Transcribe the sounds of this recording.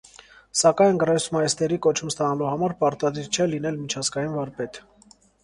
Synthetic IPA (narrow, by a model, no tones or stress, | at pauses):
sɑkɑjnɡərɛsmɑjɛst̪ɛɾikɔt͡ʃʰumst̪ɑnɑluhɑmɑɾpɑɾt̪ɑd̪iɾt͡ʃʰɛlin̪ɛlmit͡ʃʰɑzɡɑjinvɔɾpɛt̪